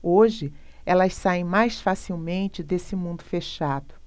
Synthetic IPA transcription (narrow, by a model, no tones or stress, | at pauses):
oʒɪ | ɛlɐssaẽj̃majsfasiwmẽnt͡ʃɪd̪esɪmũnd̪ʊfeʃad̪ʊ